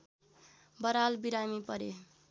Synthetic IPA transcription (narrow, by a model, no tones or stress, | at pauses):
bʌɾalbiɾamipʌɾe